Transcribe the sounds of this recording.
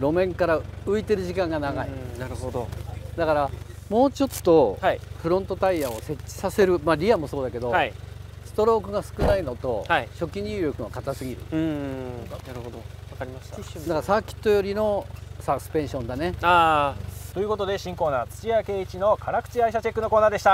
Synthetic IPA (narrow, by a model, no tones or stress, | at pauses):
ɾo̞mẽ̞ŋkaɾaɯ̟it̪e̞ɾɯ̟ʑikãŋɡanaɡaḭnaɾɯ̟ɦod̪od̪akaɾamo̞ːt͡ɕo̞t̪ːo̞haiɸɯ̟ɾõ̞nt̪o̞t̪aiaose̞t͡ɕːi̥sase̞ɾɯ̟maɾʲiamo̞so̞ːd̪ake̞d̪o̞asɨ̥t̪o̞ɾo̞ːkɯ̟ɡasɨ̥kɯ̟naino̞t̪o̞haiɕo̞kʲiɲ̟ɯːɾʲo̞kɯ̟βakat̪asɨɡʲiɾɯ̟̰ | naɾɯɦod̪oakaɾʲimaɕt̪ad̪akaɾasakʲi̥t̪ːo̞jo̞ɾʲino̞sasɨ̥pẽ̞ɰ̃ɕõ̞nd̪anea | t̪o̞jɯ̟kot̪o̞d̪e̞ɕĩŋko̞ːnaːt͡sɨ̥t͡ɕiake̞ːit͡ɕino̞kʰaɾakɯ̟̥t͡ɕiaiɕat͡ɕekːɯno̞ko̞ːnaːd̪e̞ɕit̪a